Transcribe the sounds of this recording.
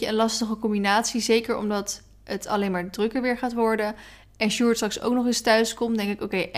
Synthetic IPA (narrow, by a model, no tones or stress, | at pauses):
əənlɑstəχəkɔmbinaːtsizejkəɹɔ̰mdɑt | ətɑ̰lejnmaːɹdrɵkəɹʋɪːɹχaːtʋɔɹdə | ɛnʃuːɹtstrɑkso̰wknɔχɪstœɥskɔmdɛŋkɪkowkej